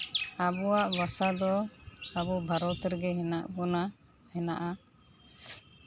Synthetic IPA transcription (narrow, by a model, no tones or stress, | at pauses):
abɔwaʔbasad̪ɔabɔbʱaɾɔt̪ɾɡɛɦɛnaʔkɔna | hɛnaʔa